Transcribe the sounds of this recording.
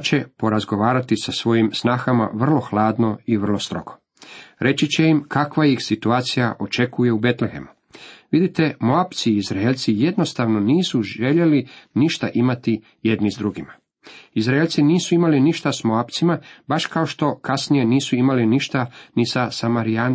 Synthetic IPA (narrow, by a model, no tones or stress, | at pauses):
t͡ʃe̞po̞ɾazɡo̞ʋaːɾat̪isasʋo̞jimsnaːxama̰ʋr̩lˠo̞xlˠaːd̪no̞iʋr̩lˠo̞st̪ɾo̞̰ɡ̥o | ɾe̞t͡ɕit͡ɕe̞imkʰakʋaixsit̪uaːt̪sijaʔo̞t͡ʃe̞kuje̞ube̞t̪lexe̞̰mu | ʋid̪it̪e̞moapt̪siizɾaelt̪sije̞d̪no̞st̪aʋno̞niːsuʒe̞ʎe̞liniʃt̪aʔimat̪i | je̞d̪nizd̪ɾuɡima | izɾaelʲt̪siniːsuimaliniʃt̪asmoapt̪simabaʃkaoʃt̪o̞kasnije̞niːsuimaliniʃt̪anisasamaɾia